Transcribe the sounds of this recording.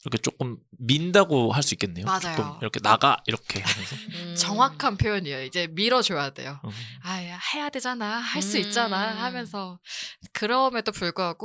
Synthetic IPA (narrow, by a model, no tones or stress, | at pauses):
iɾʌkʰe̞t͡ɕ͈ok͈ɯmːindaɡoɦaɭs͈uik͈e̞nːejomad͡ʑajomiɾʌkʰe̞naɡa̰iɾʌkʰe̞esʰʌt͡ɕʌŋɦwakʰanpʰjojʌɲiejid͡ʑe̞miɾʌt͡ɕoade̞̰joaihe̞jadwe̞d͡ʑanahaɭs͈uit̚t͡ɕ͈anahamjʌnsʰʌkɯɾʌmjʌt͈opuɭɡuɦaɡo